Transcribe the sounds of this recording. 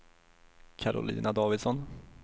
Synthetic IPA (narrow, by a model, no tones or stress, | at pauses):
kʰaɾʊ̰lḭːnad̪ɑːvɪd̪sɔn